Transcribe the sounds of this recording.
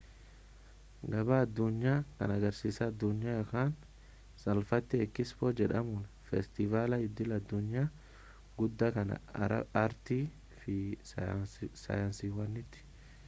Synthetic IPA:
ɡɐbaɐd̪ːʊɲːaːkɐ̰nɐɡɐɾsiːsɐːd̪ːʊɲːaːjɐkaːn | sɐlfɐt̪ːɛːkːɪsfoːd͡ʒɛᶑɐmʊn | fɛst̪ɪvaːlɐɪd̪ːɪlɐd̪ːʊɲːaː | ɡʊd̪ːɐkɐnɐ̰ɐ̰ɐɾt̪iː | fɪ | sɐ̰jaːnsiwɐnːɪt̪ːɪ̥

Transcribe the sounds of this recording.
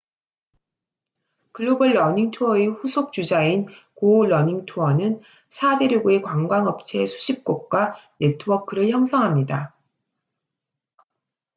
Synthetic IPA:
kɯɭːubɯɭːʌɲiŋtʰuʌeɸusʰok̚t͡ɕ͈ud͡ʑain | koɭːʌɲiŋtʰuʌnɯn | sʰade̞ɾjoɡuekwaŋɡwaŋʌp̚t͡ɕʰe̞sʰu̥ɕʰip̚k͈ok̚k͈wane̞tʰɯwʌkʰɯɾɯɭçjʌŋsʰʌŋɦamɲida

